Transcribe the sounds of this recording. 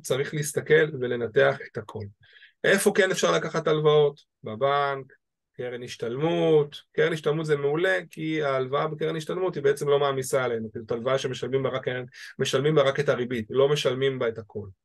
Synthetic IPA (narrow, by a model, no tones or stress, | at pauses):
t͡saʁiχliist̪ake̞lve̞le̞nate̞aχe̞̥thakʰo̞l | ʔe̞fo̞ke̞nefʃaʁlakaχatalvao̞t | babaŋk | keʁeniʃtalmutkeʁeniʃtalmutzemeule̞kiaːlvaabekeʁeniʃtalmutibeet͡semlo̞maːmisaelejnukiutalvaaʃe̞meʃalmimbaʁakaeme̞ʃalmimbaʁake̞taʁibitlo̞me̞ʃalmimbaethakʰo̞l